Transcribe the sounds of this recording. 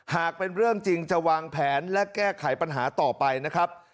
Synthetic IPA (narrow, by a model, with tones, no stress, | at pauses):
haː˨˩k̚pe˧nɾɯ˥˩əŋt͡ɕi˧ŋt͡ɕa˨˩waː˧ŋpʰɛː˩˦nlɛ˦˥kɛː˥˩kʰa˨˩˦jpa˧nɦaː˩˦t̪ɔː˨˩pa˧jna˦˥kʰɾa˦˥p̚